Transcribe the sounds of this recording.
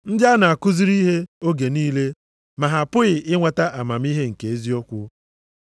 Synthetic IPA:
n̩˦dɪ˦a˦na˨a˨kʊ˦zi˦ɾi˦ɦe˦o˦ɡe˨niː˦le˦ | ma˨ɦa˨pʊ˦ɣɪ˨ɪ˦ŋʷa˨ta˦ʔa˨ma˨m˦i˦ɦe˦ŋ̩˨ke˨e˦zi˦o˦kʷʊ˦

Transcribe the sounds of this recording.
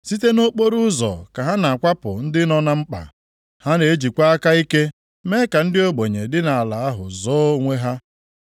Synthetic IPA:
si˦te˦no˦k͡po˦ɾu˦zɔ̰˨ka˨ɦa˦na˨a˨kʷa˦pʊ̰˨n̩˦dɪ˦nɔ˦na˦m̩˦k͡pa̰˨ | ha˦ne˨e˦d͡ʒi˨kʷa˦a˦ka˦i˦ke˦ | me˦ka˨n̩˦dɪ˦o˦ɡ͡bo˨ɲe˨dɪ˦na˨a˨la˨a˦ɦʊ̰˨zɔː˦ŋʷe˦ɦa˦

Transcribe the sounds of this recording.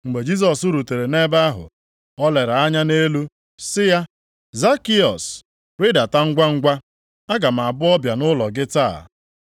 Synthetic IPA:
ŋ͡m̩˨ɡ͡be˨d͡ʒi˦s̬ɔ˨su˦ɾu˨te˨ɾe˨ne˦ba˦ɦʊ̰˨ | ɔ˦le˨ɾa˨a˦ɲa˦ne˦lu˦ | sɪ˦ja˦ | za˦ki˦ɔ˨s | ɾɪ˦da˨ta˦ŋ̩˦ɡʷa˦ŋ̩˦ɡʷa˦ | a˦ɡa˨m̩˨a˨bʊ˦ɔ˦bja˨nʊ˦lɔ˨ɡɪ˦ta̰˦˨

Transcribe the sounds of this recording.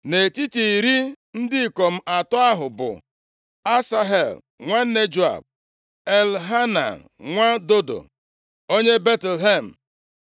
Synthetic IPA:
ne˨ti˦ti˨i˨ɾi˦ | n̩˦dɪ˦i˨kɔ˨m̩˦ʔa˨tʊ˦a˦ɦʊ˨bʊ̰˨ | a˦sa˦ɦe˨l | ŋʷa˦ne˦d͡ʒu˦a̰˨b̚ | e˨lɦa˦na̰˨ | ŋʷa˦do˦do̰˨ | o˦ɲe˦be˦tl̩˨ɦe˦˨m̩˨

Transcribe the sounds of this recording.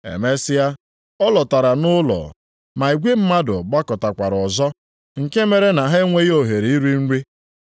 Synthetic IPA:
ḛ˨me˦sɪ˦ja˦ | ɔ˦lɔ˨ta˨ɾa˨nʊ˦lɔ̰˨ | ma˨i˨ɡʷe˦m̩˦ma˦dʊ̰˨ɡ͡ba˦kɔ˨ta˨kʷa˨ɾɔ˨zɔ˦ | ŋ̩˨ke˦me˨ɾe˦na˨ɦe˦ŋʷe˦jo˨ɦe˨ɾe˨i˦ɾi˦n̩˦ɾi˦

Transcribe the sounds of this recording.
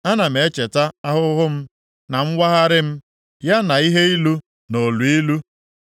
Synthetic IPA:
a˦na˨m̩e˨˦t͡ʃe˨ta˦a˦ɦʊ˦ɦʊ˦m̩˦ | na˨ŋ͡m̩˦wʷa˦ɦa˦ɾɪ˦m̩˦ | ja˦na˨i˦ɦe˦i˦lu˦ | no˨lu˨i˦lu˦

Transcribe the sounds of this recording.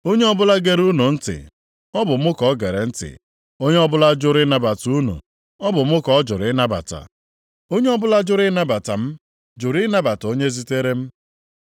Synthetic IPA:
o˦ɲe˦ɔ˦bʊ˦la˦ɡe˦ɾu˦nu˨n̩˦tɪ̰˨ | ɔ˦bʊ˨m̩˦ʊ˦kɔ˦ɡe˨ɾe˨n̩˦tɪ̰˨ | o˦ɲe˦ɔ˦bʊ˦la˦d͡ʒʊ˦ɾɪ˦na˦ba˨tu˦nṵ˨ | ɔ˦bʊ˨m̩˦ʊ˦kɔ˨˦d͡ʒʊ˨ɾɪ˦na˦ba̰˨ta̰˨ | o˦ɲe˦ɔ˦bʊ˦la˦d͡ʒʊ˦ɾɪ˦na˦ba˨ta̰˨m̩˦ | d͡ʒʊ˨ɾɪ˦na˦ba˨to˦ɲe˦zi˦te˦ɾe˦m̩˦

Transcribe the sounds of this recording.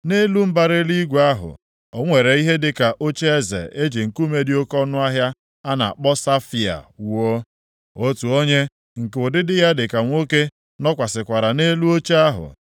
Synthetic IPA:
ne˦lu˦m̩˦ba˦ɾe˦li˦ɡʷa˦ɦʊ̰˨ | ɔ˨ŋʷe˨ɾe˨i˦ɦe˦dɪ˨ka˨ʔo˦t͡ʃe˦e˦zḛ˨e˦d͡ʒe˨ŋ̩˨ku˦me˦di˦o˦kɔ˦nʊ˦a˦ɦja˦ | a˦na̰˨a̰˨k͡pɔ˦sa˦fi˨a̰˨wo˦ | o˦tu˨o˦ɲe˦ | ŋ̩˨ko˨dɪ˦dɪ˦ja˦dɪ˨ka˨ŋʷo˦ke˦ | nɔ˦kʷa˨sɪ˨kʷa˨ɾa˨ne˦lu˦o˦t͡ʃe˦a˦ɦʊ̰˨

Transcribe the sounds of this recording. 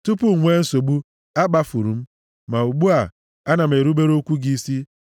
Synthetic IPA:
tu˦pu˦˨ŋʷe˦n̩˦so˨ɡ͡bu˦ | a˦ɡ͡ba˦fu˨ɾu˨m̩˦ | ma˨u˨ɡ͡bu˦a˨ | a˦na˨m̩˨e˨ɾu˦be˦ɾo˦kʷu˦ɡi˦i˦si˦

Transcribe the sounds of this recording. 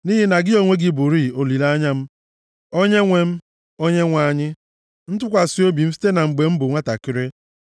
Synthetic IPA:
ni˦ɦɪ˦na˨ɡɪ˦o˨ŋʷe˦ɡɪ˦bu˨ɾi˦˨o˨li˨la˦ɲa˦m̩˦ | o˦ɲe˦ŋʷe˦m̩˦ | o˦ɲe˦ŋʷa˨ɲɪ˦ | n̩˦t̬ʊ˦kʷa˨si˦o˦bi˨m̩˦fi̥˦te˦na˨ŋ͡m̩˨ɡ͡be˨m̩˦bʊ˨ŋʷa˦ta̰˨kɪ˨ɾe˦

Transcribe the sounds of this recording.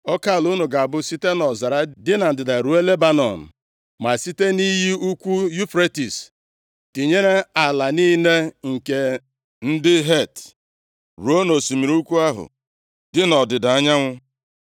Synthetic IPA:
ɔ˦ka˦˨lu˦no˨ɡa˨a˨bʊ˦si˦te˦nɔ˨za˨ɾa˦dɪ˦na˨n̩˨dɪ˨da˨ɾu˨˦e˦le˦ba˦nɔ̰˨n̩˨ | ma˨si˦te˦ni˦ɦi˦u˦kʷu˦ju˦fɾe˦ti˨s | ti˨ɲe˦ɾe˦a˨la˨niː˦ne˦ŋ̩˨ke˨ | n̩˦dɪ˦ɦe˦˨t | ɾu˨o˦no˨si˨mi˨ɾu˦kʷu˦a˦ɦʊ̰˨ | dɪ˦nɔ˨dɪ˨da˨a˦ɲa˦ŋʷʊ˦

